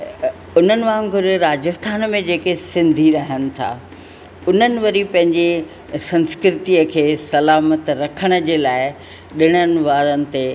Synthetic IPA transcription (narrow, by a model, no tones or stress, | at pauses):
ʊn̤ənɪ̆ʋãɡʱʊɾeɾaːd͡ʑəst̪ʰaːnmẽd͡ʑeːkesɪ̃nd̪ʱiɾɐɦəñɪ̆t̪ʰa̰ː | ʊn̤ənɪ̆ʋɐɾipɐ̃ɦɪ̃ɲd͡ʑe | sɐ̃nskɾɪt̪iəkʰeːsɐlaːmət̪ɾɐkʰəɽ̃əd͡ʑeːlaːɪ | ɗɪɽ̃ənɪ̆ʋaːɾənɪ̆t̪e